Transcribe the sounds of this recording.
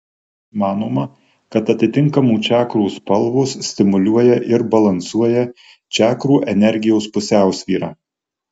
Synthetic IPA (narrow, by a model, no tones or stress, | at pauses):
mɑːnoːmɐ | kɐt̪ɐt̪ʲɪt̪ʲɪŋkɐmuːt͡ʃʲæːkɾuːspɐlˠʋʊsːʲt̪ʲɪmʊlʲuɔjɛʔɪɾbɐlˠɐnsuɔjɛ | t͡ʃʲæːkɾuːʔɛnʲɛɾʲɡʲɪjɛʊspʊsʲæˑʊsʲʋʲiːɾɑː